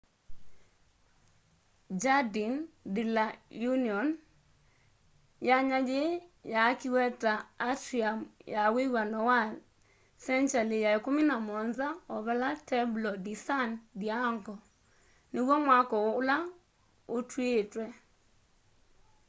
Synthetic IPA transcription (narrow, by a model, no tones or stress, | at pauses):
d͡ʒadindilajuniɔn | jaɲad͡ʒejakiwɛtaːtɾiamjawewanɔwal | sɛnt͡ʃalijaekʊmɪnamɔnzaɔβɛlatʰɛblɔdisandiaŋkɔ | nɪwɔmwakɔla | otwetwɛ